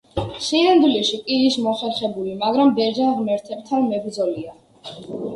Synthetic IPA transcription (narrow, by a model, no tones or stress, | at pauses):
ʃinand̪wliʃikʼiːsmɔχɛɾχɛbulimaɡɾambɛʒanʁmɛɾt̪ʰɛb̚t̪ʰanmɛbɾd̪zɔlia